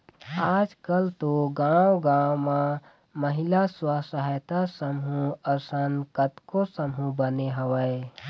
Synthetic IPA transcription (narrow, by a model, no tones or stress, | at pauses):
aːd͡ʒkəlt̪oɡãwɡãma | məɦilaswəsəɦjt̪asəmɦũəɾsənkət̪kosəmɦũbəneɦəwə